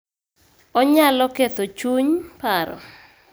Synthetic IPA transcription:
ɔɲalɔket̪ot͡ʃuɲpaɾɔ̰

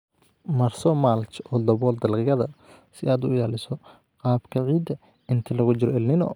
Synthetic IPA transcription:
mɐrsɔmalt͡ʃɔːd̪ɐβɔːld̪ɐlqɪjɐðɐ | sɪaːd̪ʊɪjaːlɪsɔ | qɑːbkʰɐʕiːd̪ɐ | ɪnt̪ʰɐlɐɣʊt͡ʃɪɾɔɛlnɪnɔ̰

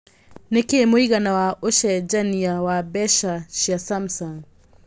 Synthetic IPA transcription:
nekemoiɣanawaʔoʃɛd͡ʒaniawabɛʃaʃiasamsaŋ

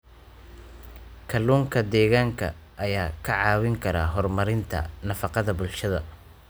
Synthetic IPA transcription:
kʰɐluːŋkʰɐd̪ɛːɣaːŋkʰɐ̰ | ʔːjaːkʰɐʕɑːwɪŋkʰɐɾa̰ːɦɔrmɐɾɪnt̪ʰɐ̰nɐfɑqɑðɐbʊlʃɐðɐ̰

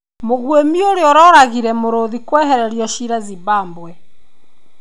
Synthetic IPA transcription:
moɣwemioɾeɔɾɔɾaɣiɾɛmoɾoðikwɛːɦɛɾɛɾiɔʃiɾɛziβaːmbwɛ

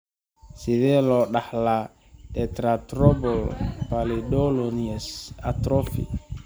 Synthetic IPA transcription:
sivɛlɔɗahla | ɗɛtɾatɾɔbɔlpalidɔloniɛsatɾofḭ

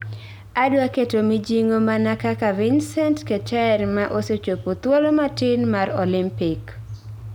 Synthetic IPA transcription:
adwaketomid͡ʒiŋomanakakavɪnsɛntket͡ʃɛɛrmaʔoset͡ʃopot̪wolomatɪnmarolimpɪk

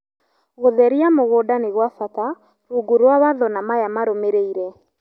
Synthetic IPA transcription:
ɣoðɛɾiamoɣoːdaneɣwafata | ɾuːɡuɾwawaðɔnamajamaɾomeɾeiɾɛ

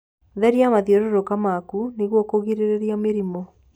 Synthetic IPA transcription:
ðɛɾiamaðiɔɾoɾokamakuneɣwɔkoɣiɾeɾeɾiameɾimɔ

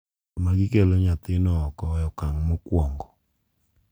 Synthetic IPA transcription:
maɡɪkeloɲat̪ɪnɔːkɔjɔkaŋmɔkwɔŋɡɔ

